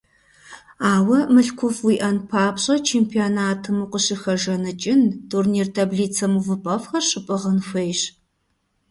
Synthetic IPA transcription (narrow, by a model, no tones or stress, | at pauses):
aːwɐmɨɬkʷʰʊfwiːʔɐnpʰaːpɕʼɐt͡ʃʰeːmpʰionaːtʰɨmuqʷəɕɪxɐʒɐnɨt͡ʃʼɪntʰurniːrtʰabɮiːt͡sʰɐmuvɨpʼɐfxɐrɕʼɪpʼɨʁənxʷejɕ